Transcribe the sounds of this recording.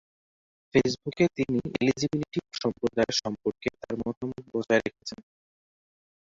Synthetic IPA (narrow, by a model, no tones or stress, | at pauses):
fes̬buket̪iniḛlid͡ʑibiniʈiʃɔmpɾod̪aeɾʃɔmpoɾket̪aɾmɔt̪omok̪̚bod͡ʑaeɾekʰet͡ɕʰen